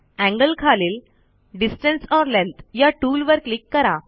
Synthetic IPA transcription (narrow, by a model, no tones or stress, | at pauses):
æ̃ŋɡəlkʰaleːl | ɖisʈə̃nsɔɾlẽnt̪jaʈuːlʋəɾklikːəɾa